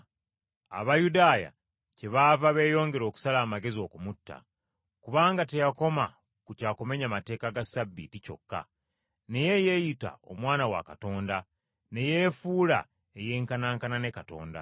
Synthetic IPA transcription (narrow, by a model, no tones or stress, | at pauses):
a̰βajudaːja̰ | ce̞βavaβe̞ːjo̞ːŋɡe̞ɾo̞ːku̥salaːmaɡe̞zio̞kumutːa̰ | kuβaːŋɡate̞jako̞ma | kucaːkome̞ɲamate̞ːkaɡasabːitico̞̰kːa̰ | ne̞je̞jejita̰o̞̰mwaːnawa̰kato̞ːnda | ne̞je̞ːfuːla̰ | eje̞ːŋkanaːŋkanane̞kato̞̰ːnda̰